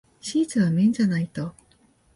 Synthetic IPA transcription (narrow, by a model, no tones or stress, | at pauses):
ɕiːt͡sɨβamẽ̞ɲ̟d͡ʑanait̪o̞